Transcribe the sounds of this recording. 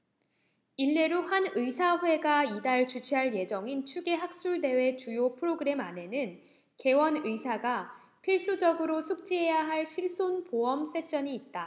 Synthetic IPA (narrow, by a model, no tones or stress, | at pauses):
iɭːe̞ɾohanɯisʰaɸwe̞ɡaidaɭt͡ɕut͡ɕʰiɦaɭje̞d͡ʑʌŋint͡ɕʰuɡe̞ɦak̚s͈uɭde̞we̞t͡ɕujopʰɯɾoɡɯɾe̞mane̞nɯn | ke̞wʌnɯisʰaɡa | pʰiɭs͈ud͡ʑʌɡɯɾosʰuk̚t͡ɕ͈iɦe̞jaɦaɭɕʰiɭs͈onpoʌms͈ʰe̞ɕ͈ʌɲiːt̚t͈a